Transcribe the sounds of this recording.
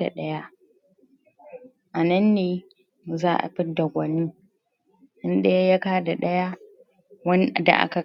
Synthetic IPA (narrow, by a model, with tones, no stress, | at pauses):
a̰˨ɗɐ˦ja˦ʔ | ʔa˨nɐ˦nːeː˨˦ | zaː˦ʔa̰˨ɸɪ˦da˨ɡʷɐ˨ni˦ | ʔɪ˦nɗe˦ja˦ja˦kaː˦da˨ɗɐ˦ja˦ | wɐ˦n˦˨da̰˨ʔa̰˦ka˨